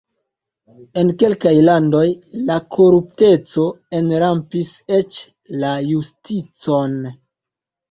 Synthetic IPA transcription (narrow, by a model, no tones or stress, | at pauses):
e̞nke̞lkajlando̞jlakʰoɾup̚te̞t͡so̞ | e̞nɾampise̞t͡ʃ | lajustit͡so̞n